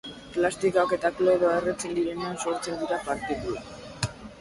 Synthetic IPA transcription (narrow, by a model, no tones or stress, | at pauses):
plast̪ikake̞t̪akloeðoeret͡se̞nd̪iɾe̞neanso̞ɾt͡se̞nd̪iɾapaɾt̪eðua